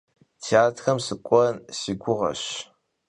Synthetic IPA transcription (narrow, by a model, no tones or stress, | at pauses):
tʰiaːtxɐmsɨkʷʼɔnsiːɡʷʊʁɐ̰ɕ